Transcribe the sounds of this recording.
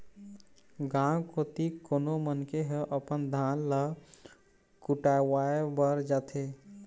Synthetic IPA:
ɡãkot̪ikonomənkeɦəʔəpənd̪ʱanlə | kuʈawaebəɾd͡ʒat̪ʰe

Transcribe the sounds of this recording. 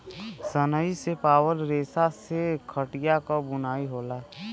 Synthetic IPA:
sənəisepaːwəlɾeːsasekʰəʈijakɔbʊnaːiɦoːla

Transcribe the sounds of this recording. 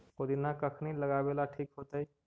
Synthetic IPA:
od̪inakəkʰniləɡabeːlaʈʰiːkɦoːt̪aɦi

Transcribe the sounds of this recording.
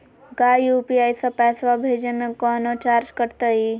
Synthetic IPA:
ɡaːjupiaːjsɐpɛːsʋabʱed͡ʒənəkɔːnot͡ʃaːɾt͡ʃkəɽt̪əi

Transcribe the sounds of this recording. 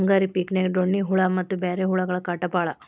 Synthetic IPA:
ŋɡaːɾipiknekɖoɳːiɦuɭɐmɐt̪ːubeːɾeːɦuɭɐɡɐɭɐkɐʈːɐpaːɭɐ

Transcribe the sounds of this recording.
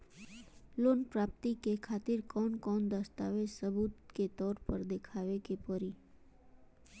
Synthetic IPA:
loːnpɾap̚t̪ikekʰat̪ɪɾkɔnkɔːnd̪əst̪a̰ʋesəbut̪ket̪ɔːɾpəɾd̪ekʰaʋekepəɾi

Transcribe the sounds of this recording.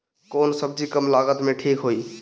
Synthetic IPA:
konsəb̚d͡ʒikəmlaɡət̪meʈʰikɦoi

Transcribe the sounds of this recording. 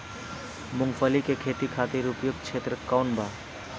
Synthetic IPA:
mʊŋɡfʰəlikekʰeːt̪ikʰaːt̪iɾupjoɡ̪̚t͡ʃʰet̪ɾəkaːnbʱa

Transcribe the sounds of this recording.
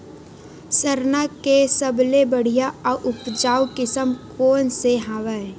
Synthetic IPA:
səɾnakesəblebəɽ̤ijaɔʔʊpd͡ʒaːwkɪsəmkoːnseɦaːʋə

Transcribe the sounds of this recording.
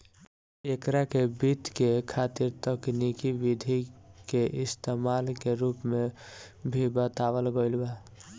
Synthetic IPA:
ekɾakebit̪kekʰat̪iɾt̪əknikibid̪ʱikeʔɪst̪emalkeɾupmebʱibət̪awəlɡəɪlba

